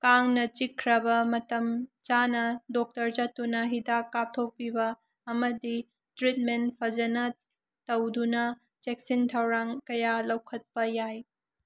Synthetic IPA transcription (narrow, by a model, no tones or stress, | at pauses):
kaŋnɐt͡ʃikʰɾɐbɐmɐtɐmt͡ʃanɐdɔk̚tɐɾd͡ʒɐtːunɐɦidakːap̚tʰok̚pibɐː | mɐdi | tɾit̚mentpʰɐd͡ʒɐnɐ | tɐwdunɐ | t͡ʃeksintʰɐwɾaŋkɐjalɐwkʰɐt̚pɐjaj